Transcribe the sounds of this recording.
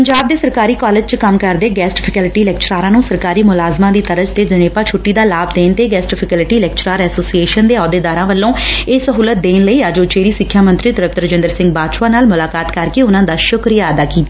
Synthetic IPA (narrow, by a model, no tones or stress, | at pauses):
pəɲd͡ʒaːbd̪eːsəɾkaːɾiːkɔːled͡ʒt͡ʃkəmkəɾd̪eːɡɛːsʈpʰɛkɛlɪʈiːlɛːk̚t͡ʃɾaːɾãːnũːsəɾkaːɾiːmʊlaːzmãːd̪iːt̪əɾəd͡ʒt̪eːd͡ʒəneːpaːt͡ʃʰʊʈːiːd̪aːlaːbd̪eːnt̪eːɡɛːsʈpʰɛkəlɪʈiːlɛːk̚t͡ʃɾaːɾɛːsoːsieːʃənd̪eːɔːd̪eːd̪aːɾãːʋəlːõːeːsəɦuːlət̪̚d̪eːnləiːaːd͡ʒoːt͡ʃeːɾiːsɪkʰːjaːmə̃nt̪ɾiːt̪ɾəp̚t̪əɾəd͡ʒɪ̃nd̪əɾsɪ̃ŋɡ̚baːd̪ʃwaːnaːlmʊlaːkaːt̪kəɾkeːʊnãːd̪aːʃʊkɾijaːəd̪aːkiːt̪aː